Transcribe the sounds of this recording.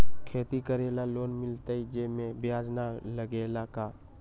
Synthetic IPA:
kʰeːt̪ikəɾeːlaloːnmɪlt̪aid͡ʒeːmẽbjaːd͡ʒnaləɡeːlakaː

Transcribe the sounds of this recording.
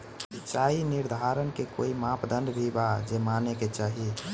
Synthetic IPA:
ɪt͡ʃaːinɪɾd̪ʱaːɾənkeko̰ːimãːpd̪ə̃nd̪bʱibad͡ʒemaːneket͡ʃaːɦi

